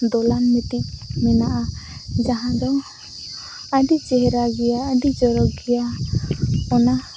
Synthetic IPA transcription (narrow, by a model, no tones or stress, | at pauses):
d̪ɔlanmit̪ic̚mɛnaʔad͡ʒaɦãd̪ɔ | aɖit͡ʃɛɦɛɾaɡɛjaːɖid͡ʒɔɾɔɡɛja | ɔna